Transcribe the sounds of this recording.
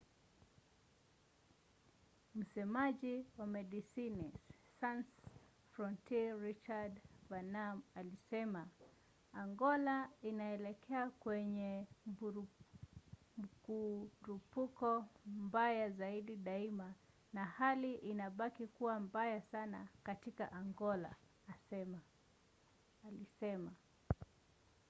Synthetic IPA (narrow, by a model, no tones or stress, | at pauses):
m̩sɛmaʄiwamɛɗisini | sans | fɾɔntiɹit͡ʃadvanamalisɛma | aŋɡɔlainaɛlɛkʰɛakwɛɲɛ | kuɾupukɔmbajazaiɗiɗaima | nahaliʔinaɓakikuwambajasana̰katika̰ʔaŋɡɔla̰ː | sɛma | lisɛma